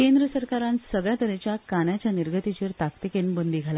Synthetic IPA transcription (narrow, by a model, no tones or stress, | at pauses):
kend̪ɾəsəɾkaɾãnsəɡɭjat̪əɾet͡ɕjakanjat͡ɕjaniɾɡʱət̪it͡ɕeɾt̪akt̪ikenbənd̪iːɡʱala